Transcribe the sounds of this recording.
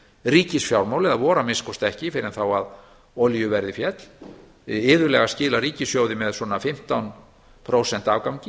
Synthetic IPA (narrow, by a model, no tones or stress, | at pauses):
riːcɪsfjawɾmawlɪðavɔːɾamɪskɔst̪ɛhcɪfɪɾɪnθawað | ɔljʏvɛɾðɪfjɛt̪l̥ | ɪːðʏɾlɛɣascɪːlaɾiːcɪsfjowðɪmɛðswɔːnafɪm̥t̪awn | pʰɾowsɛn̥t̪avkawɲcɪ